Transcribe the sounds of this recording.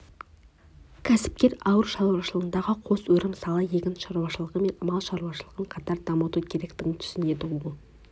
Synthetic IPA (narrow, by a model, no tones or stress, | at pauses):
kʲʰæsɪ̥p̚kʲe̞ɾɑwəɾʃɑlˠwɑʃəlˠəʁənd̪ɑʁəqʰo̞swɵɾɪmsɑlˠəje̞kʲɪnʃɑɾuwɑʃəlˠəʁəme̞nmɑlˠʃɑɾuwɑʃəlˠəʁəɴqʰɑt̪ɑɾd̪ɑmət̪ukʲʰe̞ɾe̞kt̪ɪɡʲɪŋt̪ʰʏ̥sɪne̞d̪ɪʊlˠ